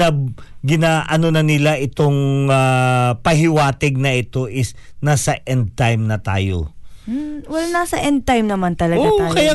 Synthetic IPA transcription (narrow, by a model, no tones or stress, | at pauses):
ɐɡɪnaːʔɐnonɐnɪlaʔɪt̪o̞ŋapɐɦɪwaːt̪ɛɡ̚nɐʔɪt̪o̞ʔɪsnaːsɐʔɛnd̪̚t̪ajmnɐt̪a̰ːjo̰m̩wɐlanaːsɐʔɛnd̪̚t̪ajmnɐmant̪ɐlɐɡat̪aːkɐja